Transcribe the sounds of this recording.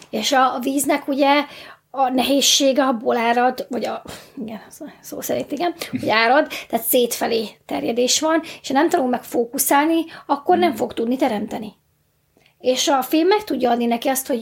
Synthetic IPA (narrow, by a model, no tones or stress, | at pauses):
eːʃɒviːznɛkuɟɛ | ɒnɛɦeːʃːeːɡɛbolaːɾɒd̪vɒɟɒiɡɛnso̰ːsɛɾiːt̪ːiɡɛmhoɟaːɾɒd̪t̪ɛːt̪seːt̪fɛleːt̪ɛ̰rjɛd̪eːʃʋɒne̥ʃɒnɛmt̪ɒnulmɛkfoːkusaːlniɒkːo̞rnɛɱfo̞ɡt̪ud̪nit̪ɛɾɛmt̪ɛni | eːʃɒfilmːɛkt̪uɟːɒɒd̪ninɛkiɒst̪ho̞